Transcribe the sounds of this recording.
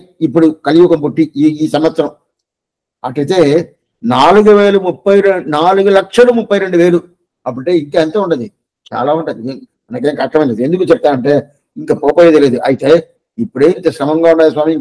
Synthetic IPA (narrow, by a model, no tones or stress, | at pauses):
ipːuɽukɐlijukɐmpoʈːiiːsɐmʋɐt̪sɐɾɐm | ɐʈɐɽit̪e̞ː | naːluɡuʋe̞ːlɐmupːɐjɾnaːluɡulɐkʂɐlumupːɐjɾe̞ɳɖuʋe̞ːlu | ɐp̬ːuʈeːiŋkaːent̪ɐːuɳʈɐnd̪i | t͡ʃa̰ːlaːuɳʈɐd̪i | mɐnɐk̬enkɐʂʈɐmɐnd̪end̪ukuːt͡ʃɛp̚t̪aːmɐɳʈe̞ː | iŋkaːpɔːpːjd̪ɐle̞ːd̪uʔɐjit̪eː | ipːuɽeint̪eʃɾɐmɐŋɡaːuɳɖaːj̪is̬waːmijɐŋ